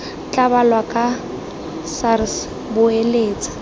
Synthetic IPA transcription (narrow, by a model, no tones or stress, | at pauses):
t͡ɬʼabalwakʼa | sars | bʊeleːt͡sʼḁ